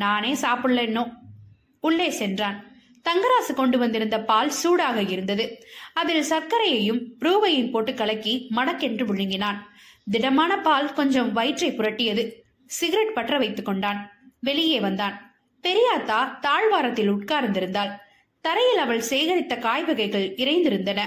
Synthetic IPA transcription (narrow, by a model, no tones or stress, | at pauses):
naːneːsaːpɯɭːeːnːoː | ʊɭːeːsɛndraːn | t̪ɐŋɡɐɾaːsɯkɔɳɖɯʋɐnd̪ɪɾɯnd̪ɐpaːlsuːɽaːɣɐɪɾɯnd̪ɐðɯɐðɪlsɐɾkɐɾɐjɐjɯmpɾuːʋɐjɪnpoːʈːɯkːɐɭɐkːimɐɽɐkːɛndrɯʋʊɻɪŋɡɪnaːn | d̪ɪɽɐmaːnɐpaːlkɔɲd͡ʒɐmʋɐɪʈrɐɪpʊɾɐʈːɪjɐðɯ | sɪɣɪɾɛʈ̚pɐʈrɐʋɐɪt̪ːɯkːɔɳɖaːnʋɛɭɪjeːʋɐnd̪aːn | pɛɾɪjaːt̪ːaːt̪aːɭʋaːɾɐt̪ːɪlʊʈ̚kaːɾnd̪ɪɾɯnd̪aːl | t̪ɐɾɐjɪlɐʋɐɭsɛjɣɐɾɪt̪ːɐkaːjbɯɣɐɪɣɐɭɪɾɐɪnd̪ɪɾɯnd̪ɐnɐ